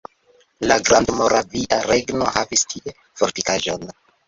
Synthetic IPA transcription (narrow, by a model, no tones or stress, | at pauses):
laɡɾandmo̞ɾaviʔaɾeɡno̞havistʰie̞ | foɾtikaʒo̞n